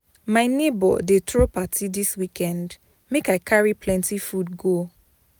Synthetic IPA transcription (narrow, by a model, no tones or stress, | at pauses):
maɪnebɔ̰detɹopatidiswikʰɛ̃nd | mekaɪkʰaɹipʰlɛ̃ntifudɡo